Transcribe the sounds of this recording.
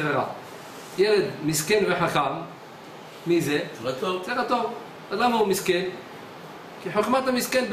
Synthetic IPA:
veʁa̰ | jeled̪miskenveħaχamː | izevzeʁat̪ov | azlamaumisken | kiħoχmat̪amiskenb

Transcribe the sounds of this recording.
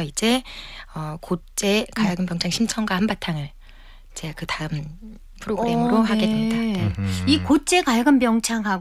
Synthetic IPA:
ʌid͡ʑe̞ʌkot͡ɕ͈e̞kaɭɡɯmbjʌŋt͡ɕʰaŋɕʰimt͡ɕʰʌŋɡwahambatʰaŋɯɭ | t͡ɕeakɯtaɯn | pʰɯɾoɡɯe̞mɯɾoɦaɡe̞dwendaikot͡ɕ͈e̞kaɭɡɯmbjʌŋt͡ɕʰaŋɦa

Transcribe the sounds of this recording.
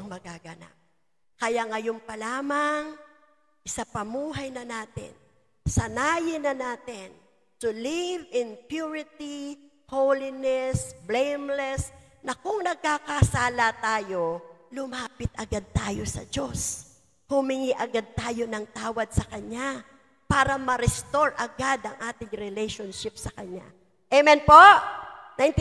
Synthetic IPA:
ŋmɐɡaɡɐna̰p̚ | kɐjaŋɐjompɐlaːmɐŋ | ʔɪsapɐmuːɦɐjnɐnaːt̪ɪ̰n | sɐnaːjɪnɐnaːt̪ɪn | sʊlɪvɪnpjuɹɪt̪i | howlɪnɛsblejmlɛs | nɐkʊŋnɐɡ̚kakɐsaːlɐt̪aːjo̞lʊmaːpɪt̪̚ʔɐɡad̪̚t̪aːjosɐ̰d͡ʒos | hʊmɪŋiʔɐɡad̪̚t̪aːjo̞nɐŋt̪aːwɐd̪̚sɐkɐɲa | paːɾɐmɐɾɛst̪o̞ɹʔɐɡad̪ɐŋʔaːt̪ɪŋɾɛlɛjʃonʃɪp̚sɐkɐɲa̰ | ʔɛmɛnpoʔnajnt̪

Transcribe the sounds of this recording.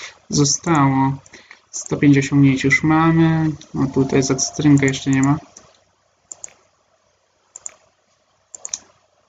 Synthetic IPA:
zɔst̪awɔ | st̪ɔpʲjeɲt͡ɕɔɕɔ̃ŋɡɲeɲt͡ɕjuʂmamɘɔt̪ut̪ajzat̪sɨ̥t̪ɾɘŋkajɛʂt͡ʂɛɲɛma

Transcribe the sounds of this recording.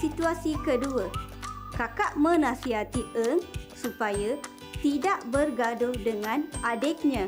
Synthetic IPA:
sit̪uasikəduəkakaʔmə̃nãsiɦat̪iʔəŋsupaja | t̪idaʔbərɡadʊhdəŋãnadɛk̚ɲã

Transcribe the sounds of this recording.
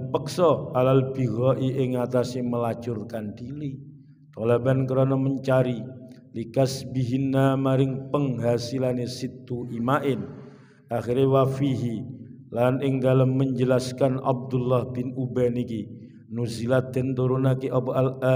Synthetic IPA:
pəksɔalalbiɣɔʔiʔɪŋat̪asɪməlat͡ʃʊrkandiɾi | t̪ɔlebankəɾonɔməɲt͡ʃaɾi | likasbiɦinːamaɾɪŋpəŋɦasilanesit̪uimaʔɪn | axiɾewafiɦi | lanɪŋdalamːəɲd͡ʒəlaskana̰b̚d̪ʊlːahbɪnubaniki | nuzilad̪̥ənt̪uɾunakiʔɔʔal

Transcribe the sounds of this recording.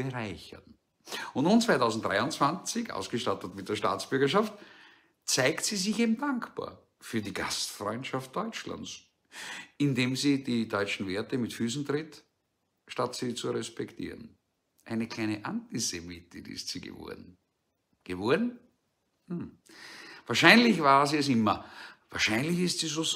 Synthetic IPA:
b̥eʁaɪçɐ̰n | ʊntnuːnt͡svaɪtɑʊzn̩tdʁa̰ɪʊnt͡sv̥ant͡sɪçʔa̰ʊsɡ̥əʃtatətmɪt̚dəɐʃta̰ːt͡sb̥ʏɐɡɐʃaft | t͡sæɪktsizɪçeːbm̩daŋkba̰ːɐ | fyːɐdiɡ̥astfʁɔʏntʃaft̚d̥ɔʏt͡ʃla̰ns | ɪndeːmzididɔʏt͡ʃn̩veːɐtəmɪtfyːsn̩tʁɪt | ʃtatsiːt͡suʁɛspɛktʰḭːʁən | ʔæɪnəkl̥æɪnəʔãntizemitɪɪ̰stsḭːɡə̰vɔ̰ɐdn̩ | ɡ̥əvɔɐdn̩ | h̩ | vaːɐʃæɪnlɪçvaːɐziːɛs̬ɪmɐvaːɐʃæɪnlɪçɪstsiːzoː

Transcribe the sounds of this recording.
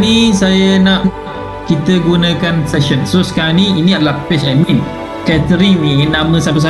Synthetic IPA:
nisajanãʔ | ʔ | kit̪əɡunəkansɛʃɔnsosə̥kaɾãniiniadəlahpɛsajmĩn | kajat̪əɾiminːãmə̃sap̬əs̬a

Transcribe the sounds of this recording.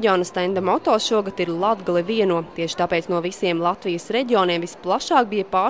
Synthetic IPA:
ɟioːnəst̪ɛnd̪amɔt̪oːsʃuɔɡat̪iɾlˠad̪ɡalˠiviɛnuɔt̪iɛʃɪ̥t̪apɛːt̪snuɔvisiɛmlˠat̪ʋijəsɾɛɟioniɛmvisplˠaʃɑːk̚bijɐpaː

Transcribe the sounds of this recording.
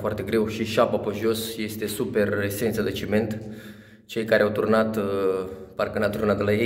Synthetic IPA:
foart̪e̞ɡɾe̞wʃiʃapapəʒo̞sje̞st̪e̞supe̞rese̞nt̪səd̪et͡ʃime̞nt̪ | t͡ʃe̞jkaɾeawt̪urnat̪ | parkənat̪urnat̪d̪lajej

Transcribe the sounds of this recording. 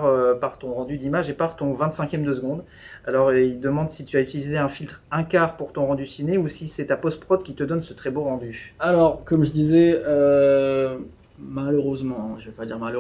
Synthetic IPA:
ʁøpaʁt̪ɔ̃ʁɑ̃d̪yd̪imaʒepaʁt̪ɔ̃vɛ̃t̪sɛ̃kʲjɛmd̪əsəɡɔ̃d̪ | alɔʁild̪əmɑ̃d̪sit̪yayt̪ilizeɛ̃filt̪χɛ̃kaːʁpuʁt̪ɔ̃ʁɑ̃d̪ysineusisɛt̪apɔst̪pχɔpkʲit̪əd̪ɔnsət̪χɛboʁɑ̃d̪yalɔʁkɔmʒəd̪izɛø | maløʁøzmɑ̃ʒəvɛpad̪iʁmalə

